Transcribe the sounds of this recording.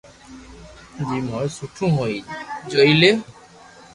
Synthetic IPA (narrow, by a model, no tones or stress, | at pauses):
d͡ʑimojsuʈʰũɦojd͡ʑojle